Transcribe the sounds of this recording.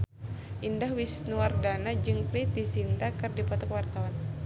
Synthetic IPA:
ʔindahwisnuardanad͡ʒɨŋpɾit̪̚disint̪akɨrdipɔt̪ɔkwart̪awan

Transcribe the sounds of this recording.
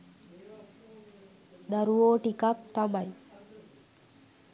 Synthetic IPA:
d̪aɾuʋoːʈikak̚t̪amaj

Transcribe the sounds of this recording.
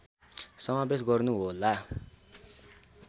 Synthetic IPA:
sʌmabes̬ɡʌrnuɦola

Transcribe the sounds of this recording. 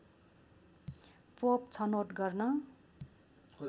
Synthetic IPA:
popt͡sʰʌnoʈɡʌrnʌ

